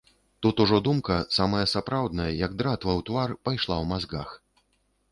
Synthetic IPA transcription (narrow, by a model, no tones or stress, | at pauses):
t̪ut̪uʐɔd̪umkɐsamɐjɐsapɾawd̪nɐjɐjɐɡd̪ɾat̪vɐwt̪varpajʂlˠawmazɡax